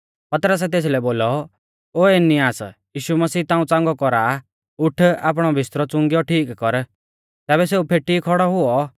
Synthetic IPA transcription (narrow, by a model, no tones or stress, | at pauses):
pɐt̪ɾəs̬ɛt̪̬eːs̬lɛboːlɔ | oːeniaːsjiːʃumɐsiːt̪ãːũt͡sãːŋɡɔkɔɾa | ʊʈʰa̰ːp̬ɽ̃ɔbʱɪst̪ɾɔt͡sʊ̃ŋɡjɔʈʰiːkkɔɾ | t̪ɛːbɛseupʰeʈikʰɔɽɔɦʊɔ